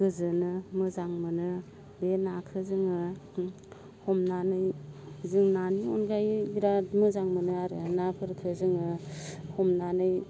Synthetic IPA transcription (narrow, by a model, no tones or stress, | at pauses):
ɡɯzɯnɯmɯzaŋmɯnɯ | benakʰɯzɯŋɯ | hɔmnanɯjzɯŋnaniɔnɡajiɾamɯzaŋmɯnɯaɾɯnapʰɯɾkʰɯzɯŋɯhɔmnanɯj